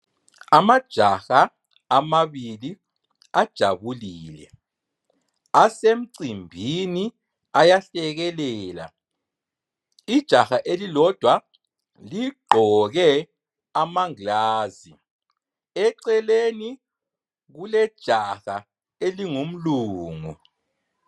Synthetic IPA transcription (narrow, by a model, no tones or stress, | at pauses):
amad̥ʒ̥ʱaxaː | maβili | ad̥ʒ̥ʱa̰βuliːlɛ̰ | asem̩ǀimbʱini | ajaɬɛɣɛlɛːla̰ | id̥ʒ̥ʱaxaʔelilɔd̥ʱwa | liɡ͡ǃʱɔɣɛ | amaŋlaːzi | ɛǀɛleni | ɣulɛd̥ʒ̥ʱaxa | eliŋum̩luːŋu